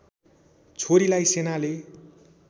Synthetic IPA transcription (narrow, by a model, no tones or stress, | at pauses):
t͡sʰoɾilajsenale